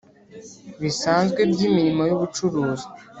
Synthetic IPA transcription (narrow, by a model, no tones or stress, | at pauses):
βisaːnzɡwebɟiːmiɾimo̞juβut͡ʃuɾuːzi̥